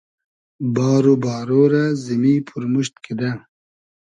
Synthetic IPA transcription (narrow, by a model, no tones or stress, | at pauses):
baːɾobaːɾoːɾazimipʰuɾmuɕt̪kʰid̪a